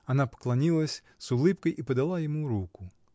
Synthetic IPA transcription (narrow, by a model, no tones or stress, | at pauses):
ɐnɑpɔ̥klˠɐnʲilˠɐsʲ | zʊlˠɪpkɔjipɔd̪ɐlˠɑjɔmuɾukʊ